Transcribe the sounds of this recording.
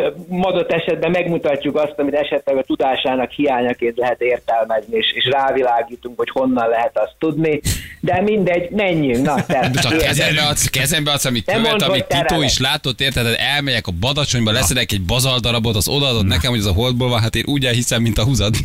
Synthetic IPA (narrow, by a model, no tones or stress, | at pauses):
mɒd̪ot̪ːɛʃɛd̪bɛmːɛɡmut̪ɒcːukɒst̪ɒmit̪ɛʃɛt̪lɛɡɒt̪ud̪aːʃaːnɒkhijaːɲɒkeːnt̪lɛɦɛt̪eːrt̪ɛlmɛznieːʃeːʃraːvilaːɡiːt̪uŋkho̞cho̞nːɒnlɛɦɛt̪ɒst̪ːud̪nid̪ɛmind̪ɛɟmɛɲːyŋnɒt̪ɛt̪t͡ʃɒkkɛzɛmɛɒkːɛzɛmbɛɒsɒmit̪ːømːonɒmit̪ːit̪oːiʃlaːt̪o̞t̪ːeːrt̪hɛt̪ɛd̪ɛlmɛjɛkɒbɒd̪ɒt͡ʃo̞ɲbɒlɛsɛd̪ɛkɛɟ̚bɒzɒld̪ɒɾɒbo̞t̪ɒzo̞d̪ɒːd̪o̞t̪nɛkɛmho̞ɟɛzɒɦo̞ld̪̚boːlvɒnɦat̪eːnʔuːɟɛlɦisɛmːint̪ɒɦuzɒd̪i